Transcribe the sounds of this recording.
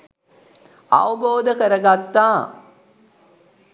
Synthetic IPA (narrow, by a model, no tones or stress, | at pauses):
ɐ̰ʋɐboːd̪ɐkɐɾɐɡat̪ːaː